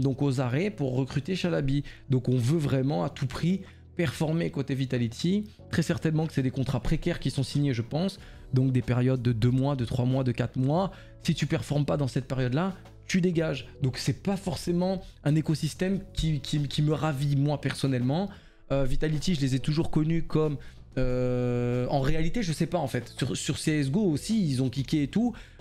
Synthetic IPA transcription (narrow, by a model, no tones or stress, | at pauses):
d̪ɔ̃kozaʁɛpuʁːəkχyt̪eʃalabid̪ɔ̃kɔ̃vøvʁɛmɑ̃at̪ʰupχi | pɛʁfɔʁmekot̪evit̪alit̪ʰi | t̪χɛsɛʁt̪ɛnmɑ̃kə̥sɛd̪ekɔ̃t̪χapχekʲɛʁkʲisɔ̃siɲeʒəpɑ̃s | d̪ɔ̃k̚d̪epɛʁjɔd̪ːəd̪ømwad̪ət̪χwamwad̪əkat̪χmwa | sit̪ypɛʁfɔʁmpad̪ɑ̃sɛt̪̚peʁjɔd̪la | t̪yd̪eɡaʒd̪ɔ̃ksɛpafɔʁsemɑ̃ɛ̃nekɔsist̪ɛmkʲikʲikʲiməʁavimwapɛʁsɔnɛlmɑ̃ | øvit̪alit̪iʒəlezɛt̪uʒuʁkɔnykʰɔm | ø | ɑ̃ʁealit̪eʒəsɛpaɑ̃fɛt̪syʁsyʁseɛzɡoosiːlzɔ̃klikʲeːt̪u